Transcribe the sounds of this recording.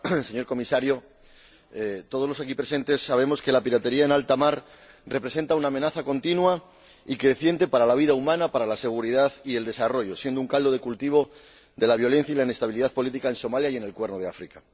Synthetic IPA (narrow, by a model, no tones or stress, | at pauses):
se̞ɲoɾko̞misaɾjo̞ | t̪o̞ð̞o̞zlo̞sakipɾe̞se̞nt̪e̞sːaβ̞e̞mo̞ske̞lapiɾat̪e̞ɾiae̞nalt̪amaɾ | re̞pɾe̞s̬e̞nt̪aunaːme̞naθakont̪inwa | ikeðeθje̞nt̪e̞paɾalaβ̞iðaumãnapaɾalase̞ɣ̞uɾiðaðie̞ld̪e̞saro̞ʝo̞sje̞nd̪ouŋkald̪o̞ðe̞kult̪iβ̞o̞ | ðe̞laβ̞jo̞le̞n̟θjailaine̞st̪aβ̞iliðaðpo̞lit̪ikae̞nso̞maljaie̞ne̞lkwe̞ɾnoð̞e̞afɾika